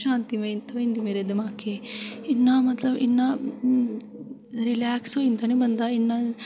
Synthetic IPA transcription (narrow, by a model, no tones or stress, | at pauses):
ʃaːnt̪iment̪ʰɐʋɐind̪imeːɾed̪emaːkeinːamɐt̪lɐbḭnːa | ɾilaːksoind̪ɐnebɐnd̪ainːɐ